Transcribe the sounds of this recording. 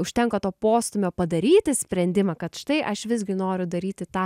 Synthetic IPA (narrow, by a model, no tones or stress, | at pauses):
ʊʃʲt̪ʲɛŋkoːt̪oːpoːst̪ʊmʲoːpɐd̪ɐɾʲiːt̪ʲɪsʲpʲɾʲɛnʲd̪ʲɪmɑːkɐt̪ʃt̪ɐɪʔɐʃʋʲɪzʲɡʲɪnoːɾʲʊd̪ɐɾʲiːt̪ʲɪt̪ɑː